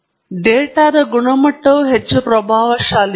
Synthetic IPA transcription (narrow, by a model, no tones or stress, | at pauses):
ɖeːʈaːd̪ɐɡuɳɐmɐʈːɐʋɦet͡ʃːupɾɐbʱaːʋɐʃaːl